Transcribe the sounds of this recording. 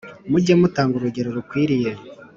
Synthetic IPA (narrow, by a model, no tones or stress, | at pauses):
muɟemutaːŋɡuɾuɟe̞ɾoɾukwiːɾije